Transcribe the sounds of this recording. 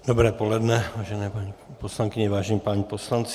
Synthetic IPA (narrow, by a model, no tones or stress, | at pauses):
d̥̪obɾɛːpolɛdnɛvaːʒɛnɛːpaɲiposlaŋkɪɲɛvaːʒɛɲipaːɲiposlant͡s